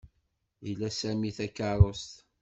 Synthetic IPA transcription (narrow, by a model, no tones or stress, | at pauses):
ilːæsæmiθækːəɾˤost̪